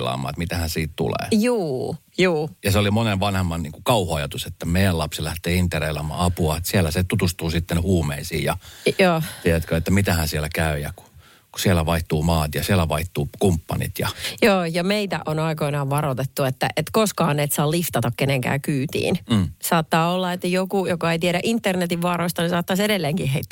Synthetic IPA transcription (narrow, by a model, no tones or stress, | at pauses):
lɑ̰ːmˑɑ̰ːet̪mit̪æhænsiːt̪t̪ṵlḛːjuː | juːjɑseolimoneʋʋɑnhemːɑnniːŋkukɑuhoɑjɑt̪uset̪ːæmeijælɑpsilæht̪eːint̪ːereilɑ̰mːˑɑ̰ːɑpuɑet̪siælæset̪ut̪ust̪uːsit̪ːenhuːmeisḭːjɑjoːt̪ieæt̪køet̪ːæmit̪æhænsiælækæyjɑku̥ | ku̥siælæʋɑiht̪uːmɑːt̪jɑsiælːæʋɑiht̪uːkumpːɑ̰nḭt̪jɑ̰joːjɑmeit̪æ̰ʔonɑikoinɑːʋʋɑɾot̪et̪ːuet̪ːæʔet̪koskɑhɑnːeːt̪sɑːlift̪ɑt̪ɑkkeneŋkæ̰ːkyːt̪ḭːnːsɑːt̪ːɑːolːɑet̪ːæjokujokɑeit̪ieɾæʔint̪ːernet̪iʋʋɑːɾoist̪ɑnisɑːt̪ːɑsedelːeːŋkiɦeit̪ːæ